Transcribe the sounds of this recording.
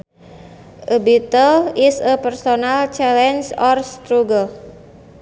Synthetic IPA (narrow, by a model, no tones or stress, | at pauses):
ʔəbit̪əlisəpɛrsonalt͡ʃɛlɛnsɔrst̪ɾuɡəl